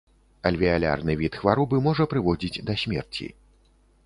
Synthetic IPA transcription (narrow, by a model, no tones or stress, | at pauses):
ɐlʲvʲialʲa̰rnɨvʲit̪xvaɾɔbɨmɔʐɐpɾɨvɔd͡zʲid͡zʲd̪ɐsʲmʲɛ̰rt͡sʲḭ